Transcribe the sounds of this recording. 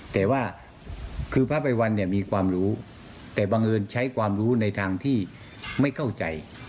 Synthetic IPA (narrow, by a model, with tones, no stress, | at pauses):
t̪ɛː˨˩waː˥˩ | kʰɯː˧pʰaː˦˥˩pa˧jwa˧nːi˥˩ɐmiː˧kʰwaː˧mɾuː˦˥ | t̪ɛː˨˩baː˧ŋʔɤː˧nt͡ɕʰa˦˥jkʰwaː˧mɾuː˦˥na˧jt̪ʰaː˧ŋt̪ʰiː˥˩ | ma˥˩jkʰa˥˩wt͡ɕa˧j